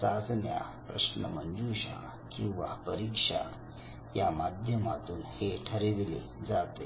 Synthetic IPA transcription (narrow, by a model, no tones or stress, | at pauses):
sad͡zʱnja̰pɾə̰ʂnəmənd͡zuɕã̰ | kĩw̃ʋapəɾikʂa̰ | jamad̪ʱjəmat̪uːnheʈʰəɾeʋelḛ | d͡zat̪e